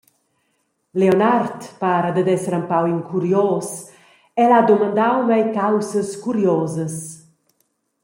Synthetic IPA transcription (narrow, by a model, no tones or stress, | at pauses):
leonart̪paːɾəd̪əd̪ɛsəɾampawiŋkʰuɾjoɔːs | ɛlad̪omand̪awmɛjkawsəskuɾjɔːzəs